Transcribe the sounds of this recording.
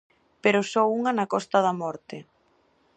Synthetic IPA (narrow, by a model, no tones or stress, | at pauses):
peɾʊsɔuŋɐnakɔst̪ɐðɐmɔɾt̪ɪ